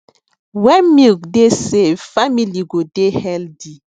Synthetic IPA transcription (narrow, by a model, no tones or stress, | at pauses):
wɛnmikdesefamiliɡodehɛldi